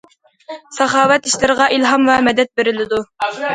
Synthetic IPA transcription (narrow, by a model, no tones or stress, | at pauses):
sɑχɑːwæt̪iʃlɪɾʁɑʔilˠɦɑmvæmɛd̪ɛt̪̚beɾɪlɪd̪u